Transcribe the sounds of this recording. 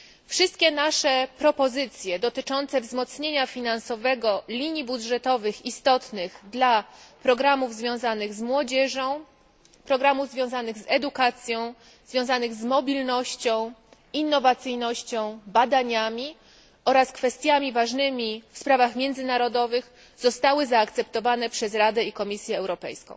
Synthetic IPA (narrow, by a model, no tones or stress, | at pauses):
fʂɘst̪̚kʲɛnaʂɛpɾɔpɔzɘt̪sʲjɛd̪ɔt̪ɘt͡ʂɔnt̪sɛvzmɔt̪sɲeɲafʲinansɔvɛɡɔlʲiɲibudʐɛt̪ɔvɘxist̪ɔt̪nɘɣd̪lapɾɔɡɾamuvzvʲjɔ̃w̃zanɘɣzmwɔd͡ʑɛʐɔ̃w̃ | pɾɔɡɾamuvzvʲjɔ̃w̃zanɘɣzɛd̪ukat̪sʲjɔ̃w̃ | zvʲjɔ̃w̃zanɘɣzmɔbʲilnɔɕt͡ɕɔ̃w̃ | inːɔvat̪sɘjnɔɕt͡ɕɔ̃w̃bad̪aɲamʲi | ɔɾaskfɛst̪ʲjamʲivaʐnɘmʲifspɾavaxmʲjɛnd̪zɘnaɾɔd̪ɔvɘx | z̥ɔst̪awɘzaːk̚t̪sɛpt̪ɔvanɛpʂɛzɾad̪ɛikɔmʲisʲjɛːwɾɔpɛ̰jskɔ̰̃w̃